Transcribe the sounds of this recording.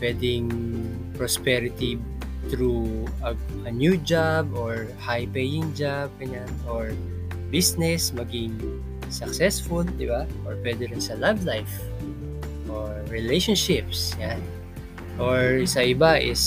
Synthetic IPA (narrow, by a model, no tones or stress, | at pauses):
pwɛd̪ɪŋ | pɹɔspɛɾɪt̪i | t̪ɾuɐ | ʔɐnjud͡ʒabʔoɹ | hajpɛjɪ̃ŋd͡ʒab̚kɐɲanʔoɹ | bisnɛsmɐɡɪŋ | sɐksɛsfʊld̪ɪbaʔɔɹpwɛd̪ɛɾɪnsɐlavlajf | ʔoɹːɪlejʃɔnʃɪp̚sjan | ʔoɹsɐʔɪbaʔɪs